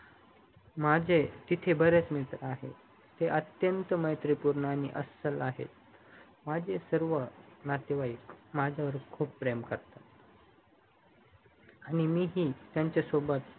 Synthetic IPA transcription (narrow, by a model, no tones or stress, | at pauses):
mad͡ʑʱet̪it̪ʰebəɾat͡smit̪ɾəaɦḛ | t̪eʔət̪jənt̪əməjt̪ɾipuɾnəañiʔəsəlaɦḛt̪ | mad͡ʑʱesəɾʋənat̪jəʋaikmad͡ʑʱjaʋəɾkʰuːpːɾemkəɾt̪at̪ | aɽ̃imiːɦiːt̪jaɲt͡ɕasobət̪